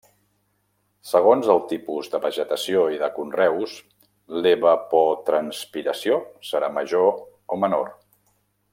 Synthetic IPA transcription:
səɣ̞onzəlˠt̪ipuzðəβəʒət̪əsioiðəkunrɛws | leβəpɔt̪ɾənspiɾəsiosəɾaməʒo | omənor

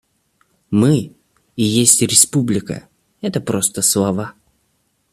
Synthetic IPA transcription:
mɨ | ɪjesʲtʲɾʲɪspublʲɪkə̰ | ɛt̪əpɾo̞st̪əslˠɐva

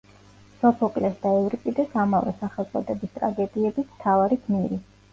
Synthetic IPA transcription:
sɔpʰɔkʼlɛsd̪aɛvɾipʼid̪asamavɛ̰saχɛlˠt̪sʼɔd̪ɛbist̪ʼɾa̰ɡɛd̪iɛbismt̪ʰavaɾikʰmiɾi

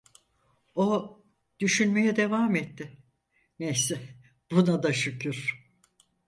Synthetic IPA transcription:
o | d̪̥yʃynme̞jɛd̪e̞vaːmet̪ːɪ | nejsɪ | b̥unad̪aʃycʰyɾ̥

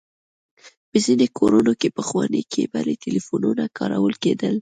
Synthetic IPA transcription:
pəzinekʰoɾunokepəxwɑnekʰebaɾet̪ɪlifununakʰɑɾawəlked̪əl

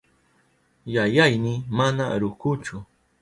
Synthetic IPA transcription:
jajajnɪmanaɾʊkʊt͡ʃʊ

